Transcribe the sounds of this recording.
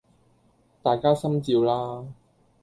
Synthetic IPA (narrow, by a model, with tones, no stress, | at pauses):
t̪aː˨˩jkaː˥sɐ˥mt͡siː˧wlaː˥